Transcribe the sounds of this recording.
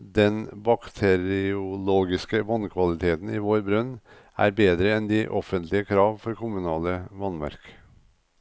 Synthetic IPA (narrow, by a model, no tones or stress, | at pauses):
d̪ɛnbɑkt̪ʰɛɾɪʊloːɡɪskəʋɔnkʰʋɑlɪt̪ʰeːt̪n̩iʋoːɾbɾʉnː | ʔæ̰ːɾbeːd̪ɾəɛnd̪ɪʔɔfənt̪ʰlɪəkʰɾɑːʋfɔɾkʰʊmʉnɑːləʋɑnmæ̰ɾk